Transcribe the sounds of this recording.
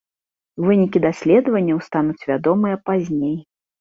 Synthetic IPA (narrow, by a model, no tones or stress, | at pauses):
vɨnʲikʲid̪asʲlʲɛd̪ɐvɐnʲːɐwst̪anut͡sʲvʲad̪ɔmɨjɐpazʲnʲej